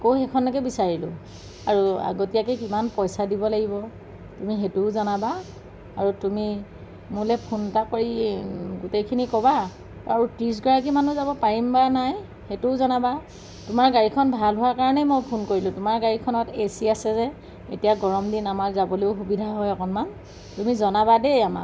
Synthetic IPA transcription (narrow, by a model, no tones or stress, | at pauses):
ɛkoxɛkʰɔnːɔk̬ɛbisaɹilʊ̰̃ | aɹua̰ɡotijakɛkimanpɔjsadibɔlaɡibɔ | tumiɦetuʊzɔnabaː | ɹutumi | mulɛpʰuntakoɹiɡutejkʰinikɔba | a̰ɹutɹis̬ɡɔɹak̬imanuzabɔpaɹimbanaj | hetuzɔnaba | tʊmaɹɡaɹikʰɔnbʱalɦʊwaɹkaɹɔnɛmojpʰunkoɹilʊ̃tʊmaɹɡaɹikʰɔnɔtesiasɛzɛ | etijaɡɔɹɔmdinamaɹzaboleʊxubidʱaɦɔjɔkɔnman | tumizɔnabadejama̰